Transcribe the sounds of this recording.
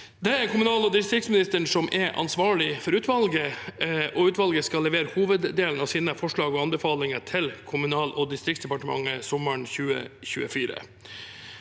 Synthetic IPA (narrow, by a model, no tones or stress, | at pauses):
d̪ɛæɾkʰʊmʉnɑːlɔːd̪ɪst̪ɾɪktsmɪnɪst̪əɳsɔmʔɛɾʔɑ̰nsʋɑːɭɪfɔɾʉːt̪ʋɑlɡəʔɔʉːt̪ʋɑlɡəskɑlːɛʋeːɾəhuːʋəd̪d̪eːln̩ɑʋsiːnəfɔʂɭɑːɡɔːɑnbɛfɑːlɪŋət̪ʰɪlkʰʊmʉnɑːlʔɔd̪ɪst̪ɾɪksd̪ɛpɑʈəmɑ̰ŋəsɔməɳçʉːə̰çʉ̰ːə̰fiːɾə̰